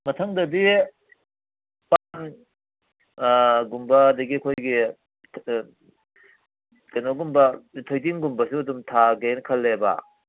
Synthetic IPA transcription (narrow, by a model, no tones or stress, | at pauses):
mɐtʰɐŋdɐdi | pan | ɡumbɐːdɐɡiɐkʰojɡi | kɐjnoɡumbɐtʰojdiŋɡumbɐsuɐdumtʰaɡenkʰɐlːeba̰